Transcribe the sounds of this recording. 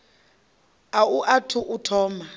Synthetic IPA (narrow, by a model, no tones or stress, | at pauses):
auʔatʰuʔutʰɔːma